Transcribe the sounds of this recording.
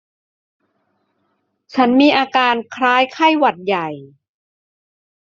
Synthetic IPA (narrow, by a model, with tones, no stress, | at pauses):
t͡ɕʰa˦˥nmiː˧ʔaː˧kaː˧nkʰɾaː˦˥jkʰa˥˩jwa˨˩t̪̚ja˨˩j